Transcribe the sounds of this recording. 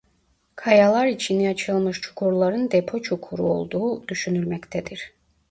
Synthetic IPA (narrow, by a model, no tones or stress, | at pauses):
kʰɑjɑlˠɑɾit͡ʃʰiniɑt͡ʃʰɯlˠmɯʃt͡ʃʰu̥kʰuɾlˠɑɾɯnd̪epʰo̞t͡ʃʰukʰuɾṵo̞̰lˠd̪uːd̪̥yʃynylʲmɛct̪ʰɛd̪iɾ̥